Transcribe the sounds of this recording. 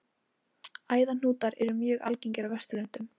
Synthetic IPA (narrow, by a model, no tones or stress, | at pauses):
aːjðan̥uːt̪aɾɛɾʏmjœːɣa̰lciɲcɪɾavɛst̪ʏlʏn̥t̪ʏm